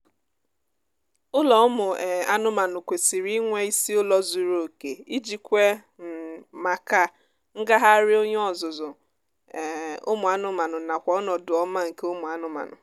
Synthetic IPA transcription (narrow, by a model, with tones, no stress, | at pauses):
ʊ˦lɔ˨ʊ˦mʊ˨a˦nʊ˦ma˨nʊ˨kʷe˨si˨ɾi˦ŋʷe˦i˦si˦ʊ˦lɔ˦zu˨ɾo˨ke˨i˦d͡ʒi˨kʷe˦ | m̩˨ma˨ka˦ | ŋ̩˦ɡa˦ɦa˦ɾɪ˦o˦ɲ˦ɔ˨zʊ˨zʊ˨ | ʊ̰˦mʊ˨a˦nʊ˦ma˨nʊ˨na˨kʷɔ˨˦ɔ˦nɔ˨dʊ˨ɔ˦ma˦ŋ̩˨ke˦ʊ˦mʊ˨a˨nʊ˦ma̰˨nʊ̰˨